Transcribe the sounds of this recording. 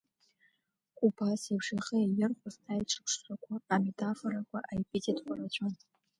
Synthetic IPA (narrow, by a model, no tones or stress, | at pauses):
kʷʼupʰasepʂaχeajɪrχʷʊzajʈ͡ʂʰɨ̥pʰʂʷakʷʰaːme̞tʰafoɾakʷʰaʔajpʼitʰʼitʰʼkʷʰʼarat͡ʃʷʰʼon